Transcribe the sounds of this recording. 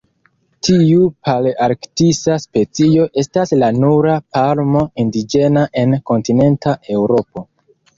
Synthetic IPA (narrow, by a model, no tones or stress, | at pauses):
tiupʰalaɾktisaspe̞t͡sio̞ʔe̞staslanuɾapalmo̞indid͡ʒe̞naʔe̞nko̞ntine̞ntaʔe̞wɾo̞po̞